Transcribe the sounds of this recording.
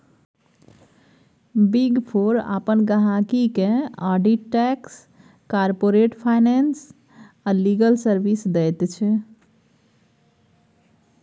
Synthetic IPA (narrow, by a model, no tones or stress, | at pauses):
biɡpʰoɾa̰pənɡəɦakikẽaɖiʈɛks | kaɾpoɾeʈpʰajnɛns | aliɡəlsəɾbisd̪ɛjt̪t͡ʃʰɛ